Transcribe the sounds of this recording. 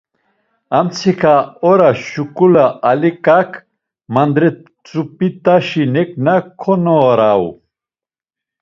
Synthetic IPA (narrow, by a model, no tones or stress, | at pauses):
amt͡sʰikʰaɔɾaʃukʼulaʔalikʼakʰ | mand̪ɾɛ | t͡sʼupʼit̪ʼaʃinɛkʼnakʰɔnɔːɾaṵ